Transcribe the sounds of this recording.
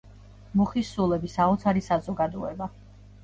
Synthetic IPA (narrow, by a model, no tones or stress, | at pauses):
muχisulˠɛbisaɔt̪sʰaɾisazɔɡad̪ɔɛba